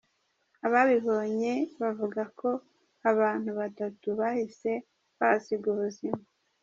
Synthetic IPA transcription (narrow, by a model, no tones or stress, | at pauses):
aβaβiβo̞ɲe̞βavuɡako̞ | aβaːn̥huβatatuβahise̞ | βasibɡuβuzima